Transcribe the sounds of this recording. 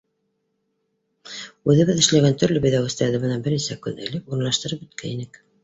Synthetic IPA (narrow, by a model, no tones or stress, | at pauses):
ʉðɘ̆βɘðɘ̆ʃlæɡænt̪ɵ̆ɾlɵbɘ̆jðæwɘ̆st̪æɾd̪ɘmɤ̆nɑbɘ̆ɾnisækʉnɘ̆lɘpuɾɤ̆nlˠɑʃt̪ɤ̆ɾɤp̚ɵ̆t̪̚kʰæinɘk